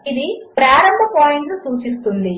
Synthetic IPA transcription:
iðipɾaːɾɐmbʱɐpoːjiɳɖɨsuːt͡ʃist̪und̪i

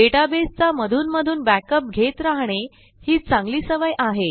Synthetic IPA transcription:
eʈabest͡saməd̪ʱuːnməd̪ʱuːnbækəp̚ɡʱet̪ɾaɦɳ̃e | hiːt͡sãŋɡliːsəʋajʔaɦe

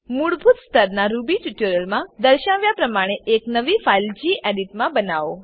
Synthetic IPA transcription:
muɽbʱut̪st̪ʰəɾnaɾubit͡ʃiʈuɾəlmãd̪əɾʃaʋjapɾəmaɽ̃eʔeknəʋifaild͡ʒiʔɛɖiʈmãbənaʋo

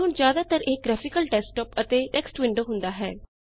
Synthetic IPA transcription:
ɦʊɳzjaːd̪aːt̪əɾɪk̚ɡɾɛːfɪkəlʈɛːsʈɔːpət̪eːʈɛːksʈʋɪɳɖoːɦʊ̃nd̪aːɦɛː

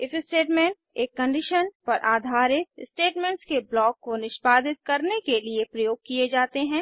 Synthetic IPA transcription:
ɪfɪsʈeːʈmɛ̃ɳʈ̚ | eːkːɐ̃ɳɖɪʃənpɐɾʔaːd̪ʱaːɾɪksʈeːʈmẽɳʈskeblɔːkːonɪʃbaːd̪ɪt̪̚kɐɾnekeliepɾɐjoːɡ̚kied͡ʒaːt̪eɦɛ̃ː

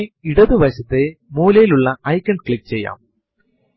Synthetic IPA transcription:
iɽɐðɨʋɐɕɐt̪ːemuːlɐjiluɭːɐɐjkʲːɐɳɖ̚kɭikːt͡ɕe̞jːa̰ːm

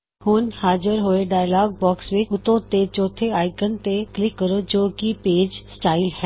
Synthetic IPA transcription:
hʊnhaːd͡ʒəɾɦoːeɖaːjlaːɡ̚bɔːksʋɪt͡ʃʊt̪õt̪et͡ʃɔːt̪ʰeaːɪkənt̪eklɪkːəɾod͡ʒoːkipeːd͡ʒsʈaːɪlɦɛ

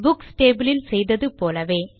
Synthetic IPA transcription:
bʊksʈeːbɪlɪlsɛjðɐðɯpoːlɐʋeː

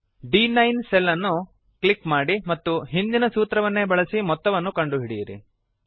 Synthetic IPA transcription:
ɖiːnɐjnsɛlːɐnːu | kɭikmaːɽimɐt̪ːuɦind̪inɐsuːt̪ɾɐʋɐnːe̞bɐɭɐsimɔt̪ːɐʋɐnːukɐɳɖuɦiɽijɐɾḭ

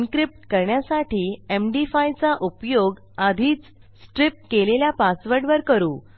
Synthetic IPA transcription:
ŋkɾip̚ʈkəɾɳjasaʈiːemɖifajt͡saʔupjoɡ | ad̪ʱiːt͡s | sʈɾip̚ʈkeleljapasʋəɾɖʋəɾkəɾuː

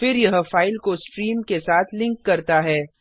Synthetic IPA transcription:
fɪɾjɐɦfaːɪlkosʈɾiːmkesaːt̪ʰlɪ̃ŋkːɐɾt̪aɦɛː

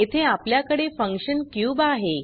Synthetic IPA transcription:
et̪ʰeapljakəɽefə̃ŋkɕənkjuːbaɦe

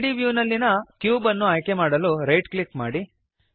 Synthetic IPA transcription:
ɖiʋjuːnɐlːinɐkjuːbɐnːuaːjke̞maːɽɐluɾɐjʈklikmaːɽi

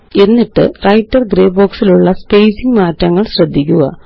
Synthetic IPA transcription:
e̞nːiʈːɨ̰rɐjtːɐrɡɾeːboːksiluɭːɐspejsiŋɡmaːtːɐŋːɐɭɕrɐd̪ʱːikʲːuɣɐ̰

